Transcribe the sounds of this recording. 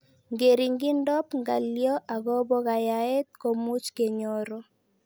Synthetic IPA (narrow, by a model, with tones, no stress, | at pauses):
ŋɡe˨ɾi˨ŋɡi˦ndɔ˦pŋɡa˨ljɔ˦ʔa˨ɡɔ˦bɔ˦ɣa˨ja˨ɛ˦t̪̚ko˨mu˦t͡ʃke˨ɲo˦ɾo˦